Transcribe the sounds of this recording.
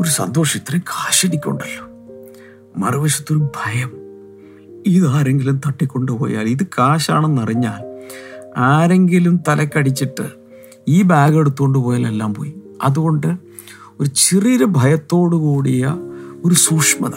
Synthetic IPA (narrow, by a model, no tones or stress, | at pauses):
o̞ɾusɐ̰nd̪o̞ːʂit̪ːrekʰaːɕeɽikʲːo̞̰ɳɖɐlːoː | mɐ̰rʋɐɕɐt̪ːo̞ɾubʱɐjɐm | iðaːɾe̞ŋɡilumt̪ɐʈːikʲːo̞ɳɖɨpoːja̰ːliðɨkʰaːɕaːɳe̞nːɐriɲːaːl | aːɾe̞ŋɡilumt̪ɐlɐkʲːɐɽit͡ɕːiʈːɨ | iːbaːɣe̞ɽut̪ːuɣo̞ɳɖɨpo̞ːjaːlelːaːmpo̰ːjumɐðuɣo̞ɳɖɨ | o̞ɾut͡ɕiriːɾɐbʱɐjɐt̪ːo̞ːɽukuːɽijɐo̞ɾusuːkʂmɐ̰ða